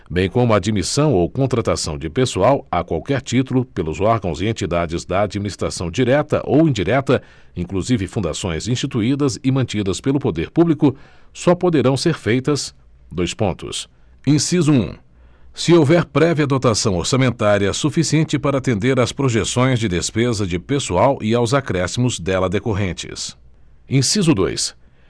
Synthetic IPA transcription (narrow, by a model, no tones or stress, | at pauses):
bẽj̃kõmʊad͡ʒimisɐ̃w̃owkõnt̪ɾat̪asɐ̃w̃d͡ʒɪpesuawakwawkɛɾt͡ʃit̪ulʊpelʊzɔɾɡɐ̃w̃zɪẽnt͡ʃid̪ad͡ʒɪzd̪ɐːd͡ʒiminist̪ɾa̰sɐ̃w̃d͡ʒiɾɛt̪ɐ̰ʔowĩd͡ʒiɾɛt̪ɐ | ĩŋkluzivɪfũnd̪a̰sõj̃zĩst͡ʃit̪uid̪ɐzɪmɐ̃nt͡ʃid̪ɐspelʊpod̪eɾpublikʊsɔpod̪eɾɐ̃w̃seɾfejt̪ɐs | d̪ojspõ̰nt̪ʊ̰s | ẽsizuṵ̃ | sɪowvɛɾpɾɛviɐd̪ot̪asɐ̃w̃oɾsɐmẽnt̪aɾiɐsufisiẽnt͡ʃɪpaɾɐaːt̪ẽnd̪eɾaspɾoʒesõj̃zd͡ʒɪd̪espezɐd͡ʒɪpesuawʔɪawzakɾɛsimʊzd̪ɛlɐd̪ekoɦẽnt͡ʃɪ̰s | ẽsizʊd̪o̰js